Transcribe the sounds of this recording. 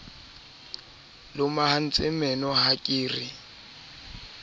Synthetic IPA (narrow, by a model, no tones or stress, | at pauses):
lʊmahan̩t͡sʼɪmɛnɔhakʼiːri